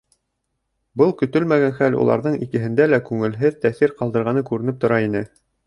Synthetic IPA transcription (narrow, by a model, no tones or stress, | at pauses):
bɤlˠkɵ̆t̪ɵlmæɡænχælṵlˠɑ̰ɾðɤɴikɘ̆ɦɘ̆nd̪ælækʉŋɘ̆lɦɘðt̪æθiɾqɑlˠd̪ɤ̆ɾʁɑnɤkʉɾɘ̆nɘp̚t̪ŏɾɑinɘ